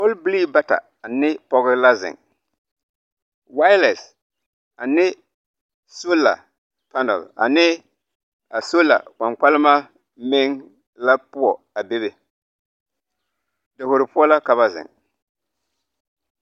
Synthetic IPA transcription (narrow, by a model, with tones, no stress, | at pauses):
o˦lbli˦ba˦ta̰˨ | a˨nɪ˦pɔ˦ɣɪ˦la˦zɪ̰˨ŋ | wa˦ɪ˦lɛ˨s | a˨nɪ˦ | so˦la̰˨ | pa˦nɛ̰˨la̰˨nɪ˦ | a˨so˦la̰˨ka˨ŋk͡pa˦lɪ˦ma˦ | mɪ˦ŋ | la˦pʊ˦ɔ˨ | a˨be˦βe˨ | dɪ˨ho˨ɾɪ˨pʊ˦ɔ˦la˦ka˨βa˦zɪ̰˨ŋ